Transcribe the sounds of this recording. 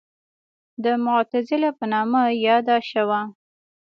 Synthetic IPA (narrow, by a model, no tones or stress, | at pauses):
d̪əmʊt̪azɪlapənɑmajɑd̪aʃawa